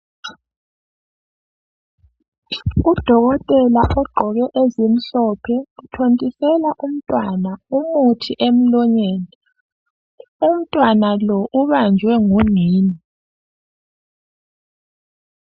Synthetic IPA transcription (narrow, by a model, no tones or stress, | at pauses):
ud̥ʱɔɣɔtʼɛlaʔɔɡ͡ǃʱɔɣɛʔezim̩ɬɔpʰɛutʰontʼisɛlaʔum̩tʼwanaumutʰiʔem̩lɔɲɛːnɛ | um̩tʼwanalɔʔuβand͡ʒʱwɛŋuŋiːni